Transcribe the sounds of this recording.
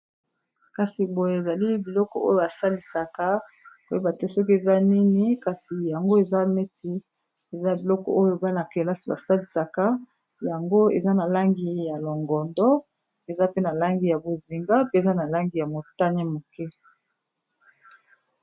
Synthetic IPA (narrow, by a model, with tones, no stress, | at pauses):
ka˨si˨bo˨je˦e˨za˨li˦bi˨lɔ˦kɔ̰˨ʔo˦jo˨ba˨sa˦li˨sa˨ka˦ | bo˨je˦ba˨te˦sɔ˦k̬i˦e˨za˦ni˦ni˦ka˨si˨ja˨ŋɡo˦e˨za˦ne˦tʰi˦ | e˨za˦bi˨lɔ˦kɔ̰˨ʔo˦jo˨ba˦na˨ke˨la˦si˨ba˨sa˦li˨sa˨ka˦ | ja˨ŋɡo˦ḛ˨za˦na˨la˦ŋɡi˦ja˨lɔ˨ŋɡɔ˨ndɔ˦ | e˨za˦pe˦na˨la˦ŋɡi˨ja˨bo˨zi˨ŋɡa˦pe˦e˨za˦na˨la˦ŋɡi˨ja˨mo˨ta˦ni˦mo˨kʰɛ˦